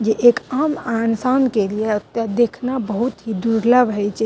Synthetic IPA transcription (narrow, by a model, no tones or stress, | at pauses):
d͡ʒeʔekamansankelieət̪jad̪ekʰnabəɦut̪ɦid̪uɾləbɦəjt͡ʃʰɛ